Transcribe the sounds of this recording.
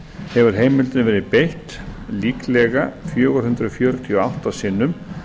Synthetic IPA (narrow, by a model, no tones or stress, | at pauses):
hɛvʏɾ̥ɦeːjmɪlt̪ɪnvɛːɾɪpejht̪liːklɛɣafjœːɣʏɾ̥hʏnt̪ɾʏɔfjœɾt̪ʰiɔawht̪asɪːnːʏm